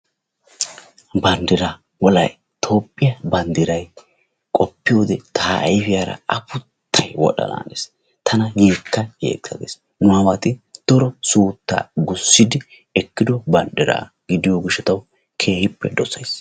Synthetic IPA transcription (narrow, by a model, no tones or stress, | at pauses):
bɐnd̪ɪɾa | wɔlɐ̰j | t̪ʰo̞ːpʼːɪjɐbɐnd̪ɪɾɐj | kʼɔpːɪjo̞ːd̪ɛt̪ʰaːɐ̰jfɪjaːɾɐ̰ɐpʊt̪ʰːɐjwɔ̰ɗɐ̰na̰ːnḛs | t̪ʰɐnɐjeːkːɐjḛːkːsɐɡḛːs | nʊawɐt̪ɪt̪ɔɾɔsuːt̪ːa̰ːɡʊsːɪd̪ɪ | ɛkːɪd̪ɔbɐnd̪ɪɾa̰ː | ɡ̥ɪd̪ɪjoɡɪʃɛt̪ɐw | kʰe̞ːhɪpːɛd̪ɔsɐjs